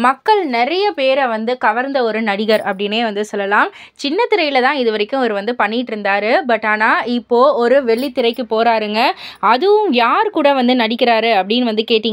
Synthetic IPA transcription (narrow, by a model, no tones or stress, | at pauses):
mɐkːɐɭnɛɾɐjɐpeːɾɐʋɐnd̪ɯkɐʋɐɾnd̪ɐɔɾɯnɐɽɪɣɐɾɐpːɐɽɪneːʋɐnd̪ɯsɔlːɐlaːm | t͡ʃɪnːɐt̪ːɪɾɐɪjɪlɐt̪ãːɪðɯʋɐɾɪkːʊ̃ɔɾɯʋɐnd̪ɯpɐɳːɪʈːɪɾɯnd̪aːɾɯbɐʈːaːnaːɪpːoːɔɾɯʋɛɭːit̪ːɪɾɐɪkːɯpoːɾaːɾɯŋɡɐɐðɯʋɯmjaːɾkuːɽɐʋɐnd̪ɯnɐɽɪkʲːɪɾaːɾɯɐpːɐɽɪnʋɐnd̪ɯkeːʈːiːŋɡɐ